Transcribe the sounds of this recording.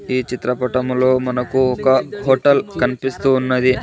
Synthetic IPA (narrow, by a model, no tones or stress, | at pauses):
iːt͡ʃit̪ɾɐpɐʈɐmlo̞ːmɐnɐkuɔkɐɦoːʈɐlkɐnipist̪uːnːɐd̪i